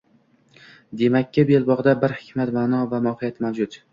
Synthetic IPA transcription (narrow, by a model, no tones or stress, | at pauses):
d̪e̞makʲʰːɪbelbɒʁd̪abɪɾhɪ̥kʲʰmat̪maːnɒvamɒhɨjat̪mawd͡ʒʊt̪